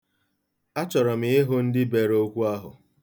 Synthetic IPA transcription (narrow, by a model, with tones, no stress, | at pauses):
a˦t͡ʃɔ˨ɾɔ˨mɪ˨ɪ˦ɦʊ˦n̩˦dɪ˦be˨ɾo˦kʷu˦a˦ɦʊ̰˨